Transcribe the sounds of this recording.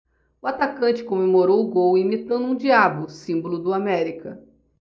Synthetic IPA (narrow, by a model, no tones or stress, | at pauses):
ʊat̪akɐ̃t͡ʃɪ̥kõmemoɾowʊɡowimit̪ɐ̃nd̪ũd͡ʒiabʊsĩbolʊd̪ʊamɛɾikɐ